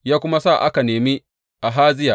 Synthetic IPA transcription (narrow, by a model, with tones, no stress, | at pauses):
jaː˦kʷʊ˦ma˦sa˦˨ʔa˦ka˨neː˨mi˦ | ʔa˨ɦaː˦zɪ˦jaː˨